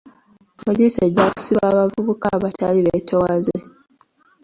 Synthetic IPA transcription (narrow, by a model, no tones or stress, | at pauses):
polise̞ɟːaku̥siβaːβavuβukaβataliβetʰo̞waze